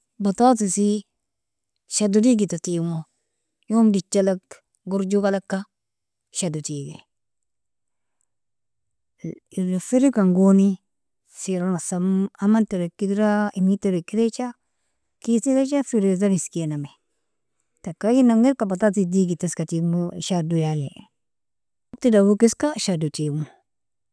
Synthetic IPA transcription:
batatisi | ʃadudiɡitatimo | jomdit͡ʃːalak | ɡuɾd͡ʒukalakːa | ʃadutiɡḛ | ifiɾikaŋɡoni | siɾanasamamanteɾekːidɾaimiteɾekːiɾet͡ʃa | kitiɾet͡ʃafiɾezaɾiskiename | takajinaŋɡiɾkabatatidiɡitaskatimuʃadujale | tidawukiskaʃadutimu

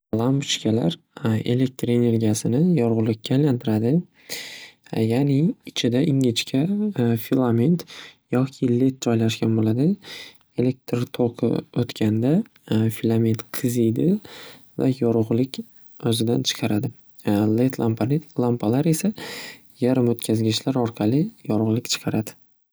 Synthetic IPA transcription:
lˠambt͡ʃkʲʰala̰ɾ | e̞̰le̞k̚t̪ɾene̞ɾɡʲasɪnɪjɒɾʁʊlˠɪkʲʰːalant̪ʰɪɾad̪ɪ | janɪːt͡ʃʰɪd̪aɪŋɪt͡ʃkʲʰafilˠament̪jɒkʲʰɪlet̪ɾɒjlaʃɡʲanbolad̪ɪ | e̞le̞k̚t̪ɾt̪ʰoqʰɨ̰ot̪kʲʰand̪a | filˠament̪qʰɨzijd̪ɪ | va̰jɒɾʁʊlˠɪkʲ | ɵzɪd̪ant͡ʃʰɨ̥qʰɑɾad̪ɪ | let̪ʰlˠamplˠampʰalaɾe̞sa | jaɾɪmot̪kʲʰazɡʲɪʃlaɾɒɾqʰɑlɪjɒɾʁʊlˠɪkʲt͡ʃʰɨ̥qʰɑɾad̪ɪ̥

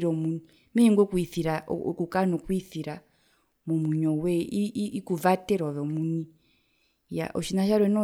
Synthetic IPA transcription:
ɾɔmun | miŋɡɔkuiθiɾa̰ɔkukanɔkwiθiɾa | mumuɲɔwɛiikuvatɛɾɔβɔmuni | ja̰ʔɔʃinaʃaɾwɛnɔ

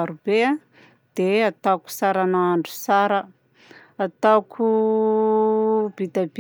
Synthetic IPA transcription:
aɾubea | d̪̥eat̪aku̥saɾanaaɳɖ͡ʐu̥saɾə | at̪akʰu | b̥id̪ab̥

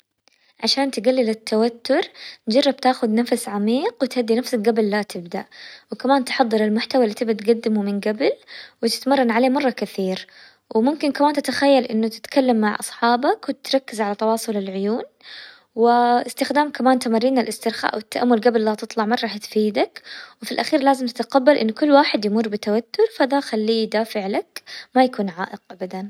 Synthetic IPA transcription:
ʕaʃaːnt̪ɪɡalːilɪt̪ʰːawat̪ːʊɾt̪d͡ʒɑrˤːɑb̚t̪aːxʊd̪nafsʕamiːqwɪt̪had̪ːinafsakɡabɪlːat̪ɪbd̪aʔwɪkamaːnt̪ħɑðˤːɨɾɪlmʊħt̪awalːit̪ɪbd̪at̪ɡad̪ːɪmumɪnɡabɪlwɪt̪ɪ̥t̪mɑrˤːɑnʕaleːmɑrˤːɑkaθiːɾ | wɪmʊmkɪnkamaːnt̪ɪt̪axajːalʔɪnːʊt̪ɪ̥t̪kalːamːaʕʔɑ̰sˤħɑːbakwɪt̪ɾˤɑkːɪzʕalat̪ɑwɑːsˤʊlɪlʕʊjuːn | wɪʔɪst̪ɪxd̪aːmkamaːnt̪amarːiːnɪlʔɪst̪ɪɾxa̰ːʔwɪt̪ːaʔamːʊlɡabɪlːat̪ɨt̪ˤlɑʕmɑrˤːɑħt̪fiːd̪akwɪfilʔaxiːɾlaːzɪmt̪ɪt̪qabːalʔɪnːkʊlːwaːħɪd̪jmʊrˤːbɪt̪awat̪ːʊɾfaðaxalːiːd̪aːfɪʕlakmajakuːnʕa̰ːʔɪq̚ʔabad̪an

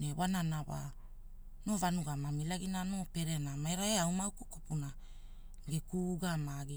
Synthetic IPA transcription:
newananawa̰ | no̞vanuɡamamilaɡinano̞pe̞ɾe̞namaeɾaeawmawkukopuna | ɡekuɡamaɡi

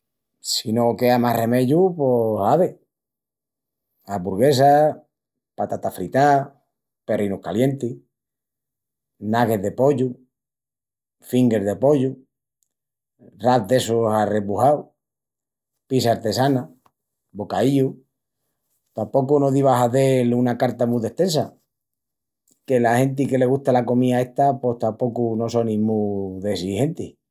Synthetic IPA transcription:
sinoke̞amahre̞me̞ʝuposaβe | abuɾɣe̞s̬a | pat̪at̪afɾit̪a | pe̞rinuhkalje̞nt̪i | naɣe̞ðepo̞ʎu | fiŋɡe̞ɾðepo̞ʎu | raθðe̞sosare̞puhaw | pisaːɾt̪e̞sana | bo̞kaiʎu | t̪ampo̞kunoðiβaɦaðe̞lunakaɾt̪amuðe̞ht̪ẽ̞nsa | ke̞lahe̞nt̪̬ike̞le̞ɣ̞uht̪alako̞mĩae̞ht̪ape̞ht̪ampo̞kuno̞so̞nĩmuðesihe̞nt̪i

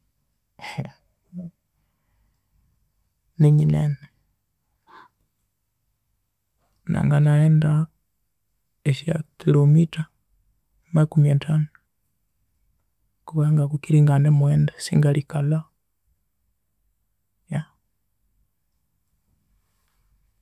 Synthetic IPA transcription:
neɲinene | na̰ŋɡanaenda | eʃia̰kilomita | makumiatʰanu | kuβaŋɡakukiɾiŋɡanemuwɛːndasiŋɡalikala | ja

